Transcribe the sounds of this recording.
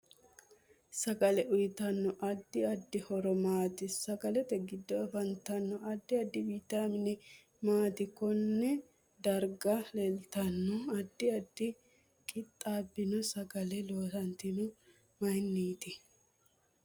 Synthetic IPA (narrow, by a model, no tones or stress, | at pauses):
sɐkʼɐlɛʔʊjt̪ɐnːɔʔɐd̪ːɪɐd̪ːɪhɔɾɔmaːt̪ɪsɐkʼɐlɛt̪ɛɡɪd̪ːɔɐbɐnt̪ɐnːɔʔɐd̪ːɪɐd̪ːɪbiːt̪aːmɪnɪ | maːt̪ɪkɔnːɛ | d̪ɐɾɡɐlɛlt̪ɐnːɔɐd̪ːɪɐd̪ːɪ | kʼɪt̪ʼːaːbːɪnɔsɐɡɐlɛloːsɐnt̪ɪnʊ | mɐjnːiːt̪ɪ